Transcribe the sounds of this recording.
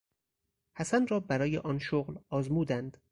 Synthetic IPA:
hæsænrɒːbæɾɒːjeʔɒːnʃoɣlɒːzmuːd̪ænd̪̥

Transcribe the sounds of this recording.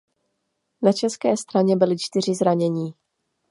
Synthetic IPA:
nat͡ʃɛskɛːst̪ɾaɲɛbɪlɪt͡ʃt̪ɪr̝ɪzɾaɲɛɲiː

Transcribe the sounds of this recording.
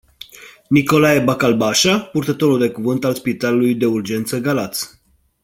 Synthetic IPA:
niko̞lajebakalbaʃapurt̪ət̪o̞ɾuld̪e̞kuvɨnt̪alspit̪alulujd̪e̞urd͡ʒe̞nt̪səɡalat̪s

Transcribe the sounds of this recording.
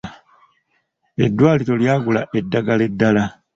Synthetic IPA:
e̞̰dːwaːliɾo̞ljaːɡulaʔe̞dːaɡale̞dːala

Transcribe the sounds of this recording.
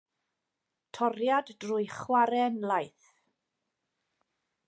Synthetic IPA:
tʰɔɾjaddrʊjχwaɾɛnlajθ

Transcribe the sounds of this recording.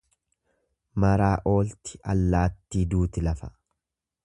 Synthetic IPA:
mɐɾaːʔo̞ːlt̪ɪʔɐ̰lːaːt̪ːiːd̪uːt̪ɪlɐfɐ

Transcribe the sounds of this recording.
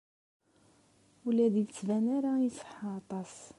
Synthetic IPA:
ulæðjt͡sːvænaɾaisˤə̥ħaːt̪ˤɑs

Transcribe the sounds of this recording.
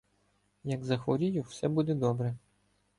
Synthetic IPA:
jɐɡzɐxʋɔɾʲijʊwsɛbud̪ɛd̪ɔbɾɛ

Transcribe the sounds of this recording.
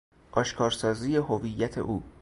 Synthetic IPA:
ʔɒːʃkʰɒːɾsɒːziːjeɦovijːæt̪ʰḛʔuː

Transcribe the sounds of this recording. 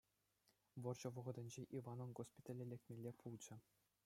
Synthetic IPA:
ʋɤ̆rʑɤ̆ʋɤ̆ʁɤ̆d̪ʲɘ̆nʲd͡ʑeʔiʋɑnɤ̆nɡospʲit̪ʲɑlʲelʲek̚ʲt̪ʲmʲelʲːepʰulˠd͡ʑɘ̆

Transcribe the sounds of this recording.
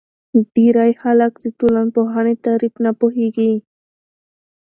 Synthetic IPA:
ɖiɾajhalakd̪it̪ulanpoɦanit̪aɾipnapoɦiɡi

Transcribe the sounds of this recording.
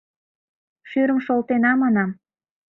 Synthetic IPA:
ʃyɾəmʃolt̪enɑmɑnɑm

